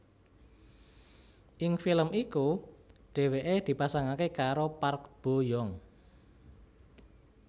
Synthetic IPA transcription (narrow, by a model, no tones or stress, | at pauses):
ʔɪŋfiləmikuɖ̥e̤weʔed̪̥i̤pasaŋakekaɾopark̚b̥o̤jɔŋ